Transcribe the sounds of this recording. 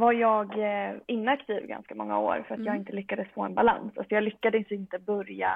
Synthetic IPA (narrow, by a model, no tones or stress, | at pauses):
vaɾjɑːɡɪnːakt̪ʰiːvɡa̰nskamɔŋːa̰o̰ːɾfœɾat̪jɑːɡɪnt̪əlʏkːad̪əsfoːɛnbala̰nsasɔjɑːɡlʏkːad̪əsɪnt̪əbœɾja̰